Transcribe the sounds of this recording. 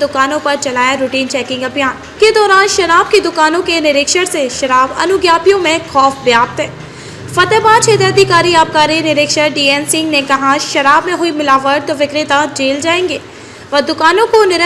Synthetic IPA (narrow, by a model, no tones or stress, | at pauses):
d̪ʊkaːnõpɐɾt͡ʃɐlaːjaɾuːʈiːnt͡ʃɛːkɪ̃ŋɡɐbjaːn | ked̪ɔːɾaːnʃɐɾaːb̚kid̪ʊkaːnõkenɪɾɪkʃəɾseʃɐɾaːbɐ̰nʊɡjaːpijõmẽxʰɔːfbjaːp̚t̪ɦɛː | fɐt̪ɛːbaːt͡ʃʰeːt̪eɐd̪ʱikaːɾiaːp̚kaːɾinɪɾɪːkʃəɾɖiːeːnsɪ̃ŋɡnekɐɦaʃɐɾaːbmẽɦʊimɪlaːʋəɾt̪oʋɪkɾɪt̪ad͡ʒeːld͡ʒaːẽːŋɡeː | ʋɐd̪ʊkaːnõkonɪɾ